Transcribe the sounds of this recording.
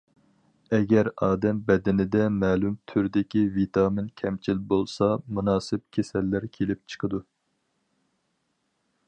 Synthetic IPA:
ɛɡʲɛɾɑːd̪ɛmbɛd̪ɪnɪd̪ɛmɛːlumt̪ʰyɾd̪ɪkʲivit̪ʰɑːmɪnkʲʰɛmt͡ʃʰilbolˠsɑmunɑːsɪp̚kʲʰesɛlːæɾkʲʰelɪp̚t͡ʃʰə̥qʰəd̪u

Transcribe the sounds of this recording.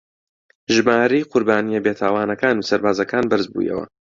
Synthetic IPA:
ʒɨmaːɾejqʊɾbaːnijɐbeːt̪ʰaːwaːnɐkaːnuːsɐɾbaːzɐkaːnbɨɾzbṵːjɐ̰wɐ̰

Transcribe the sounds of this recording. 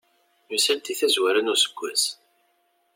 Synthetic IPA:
musælt̪iθæzwæɾænusə̥ɡʷːæs

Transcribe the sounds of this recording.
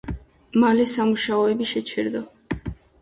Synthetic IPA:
malɛsamuʃaɔɛbiʃɛt͡ʃʰɛɾd̪ɔ

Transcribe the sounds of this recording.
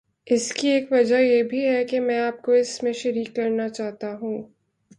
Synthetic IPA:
ɪskieːkʋɐd͡ʒajebʱiɦɛkemɛ̃ːaːp̚koɪsmẽʃɐɾiːkːɐɾnat͡ʃaːɦt̪aɦũː

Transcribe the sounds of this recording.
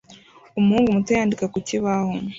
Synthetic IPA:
umuhuːŋɡumutojaːndikakuciβahom

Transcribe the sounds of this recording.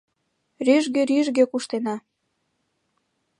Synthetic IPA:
ryʒɣĕɾyʒɣĕkuʃt̪enɑ

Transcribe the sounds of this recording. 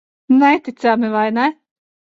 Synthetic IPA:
nɛt̪it̪sæmɪvajnɛ

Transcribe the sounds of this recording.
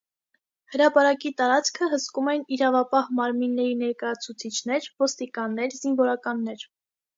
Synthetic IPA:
həɾɑpɑɾɑkit̪ɑɾɑt͡skʰəɦəskumɛniɾɑvɑpɑhmɑɾminːɛɾinɛɾkɑjɑt͡sʰut͡sʰit͡ʃʰnɛɾvɔst̪ikɑnːɛɾzinvɔɾɑkɑnːɛɾ

